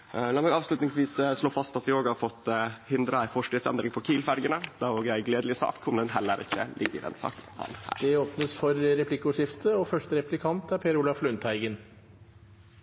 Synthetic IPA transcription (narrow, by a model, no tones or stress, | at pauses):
lɑːmɛɡɑːʋslʉt̪nɪŋsʋiːssloːfɑst̪ɑt̪ʋɪoːɡhɑɾfɔt̪ːhɪnd̪ɾəæɪfɔʂʈiːd̪sɛ̰nd̪ɾɪŋpʰɔkʰiːlfæɾɡənəd̪̥ɑɾoːɡjæɪɡleːd̪lɪsɑ̰ːkʰːʊmd̪ɛnɦɛlːəɾʔɪkːə̰lʔɪɡːə̰ɾɛ̰nsɑ̰ːkhɑ̰nhæ̰ːɾd̪ɛoːpnəsfɔɾɾɛpʰlɪkːəʊːʂɪft̪ʰəɔfœʂʈəɾɛplɪkʰɑnt̪æɾpʰeːɾuːlɑflʉnt̪hæɪɡən